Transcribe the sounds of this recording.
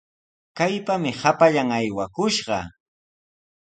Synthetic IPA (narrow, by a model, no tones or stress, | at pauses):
kajpamɪhapaʎaŋajwakʊʃɢɑ̰